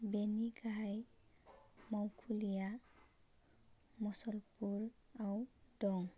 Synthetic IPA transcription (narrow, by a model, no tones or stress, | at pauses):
beniɡaj | mɔwkʰulija | mɔsɔlpuɹawdɔŋ